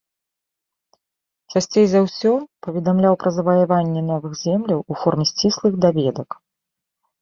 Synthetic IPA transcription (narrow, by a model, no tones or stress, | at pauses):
t͡ʂasʲt͡sʲejzawsʲɔpɐvʲɛd̪amlʲawpɾɐzɐvɐjavanʲːɛn̪ɔvɨxzʲɛmlʲiwufɔrmʲɛsʲt͡sʲislˠɨxd̪avʲɛd̪ɐk